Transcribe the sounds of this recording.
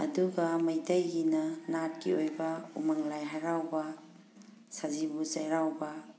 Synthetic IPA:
ɐ̰duɡɐmɐjtɐjɡinɐnat̚kḭojbɐṵmaŋlajɦaɾawbɐ | sazibuzajɾawbɐ

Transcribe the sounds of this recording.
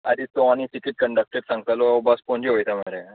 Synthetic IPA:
a̰d̪it̪oañisikiʈ̚kəɳɖək̚ʈeʈsãŋɡt̪alɔbaspõɲd͡ʑeɦojt̪amaɾe

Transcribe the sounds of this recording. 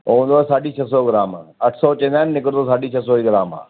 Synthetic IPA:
õːnd̪oɛsaːɖit͡ʃʰəsɔːɡɪɾaːmɐʈʰsɔt͡ʃẽːnd̪aːnnɪkəɾt̪osaːɖit͡ʃʰəsɔːiɡɪɾaːma̰ː

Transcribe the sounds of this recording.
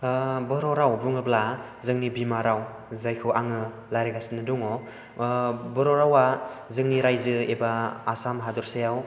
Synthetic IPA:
bɯɾɔɾawbuŋɯbla | zɯŋnibimaɾaw | zajkʰɯwaŋɯ | laɾeɡasinɯdɔŋɔ | bɯɾɔɾawazɯŋniɾajzɯebaːsamɦadɔɾsajaw

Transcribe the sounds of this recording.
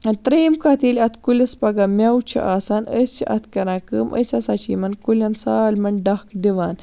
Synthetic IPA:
ɐt̪ɾeːmkat̪iːlʲɐt̪ʰkulʲɐspɐɡamʲawt͡ʃʰḭʔaːsaːnəsʰḭʔɐ̰t̪ʰkɐɾãkəːmʔə̰sasat͡ʃimɐnkulʲɐnsaːlmɐɳɖahkd̪iʋaːn

